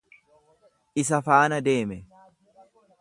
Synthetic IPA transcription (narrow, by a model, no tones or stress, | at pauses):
ʔɪsɐfaːnɐd̪e̞ːmɛ